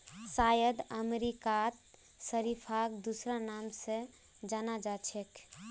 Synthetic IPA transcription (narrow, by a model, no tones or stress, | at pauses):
sajəd̪əmeɾikat̪ | səɾipʰakd̪usɾanamsẽ | d͡ʒanad͡ʒat͡ʃʰek